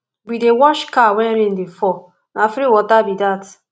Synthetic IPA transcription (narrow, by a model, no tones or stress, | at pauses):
bidewɔʃkawɛnɾin̩defɔ | nafɾiwɔtabidat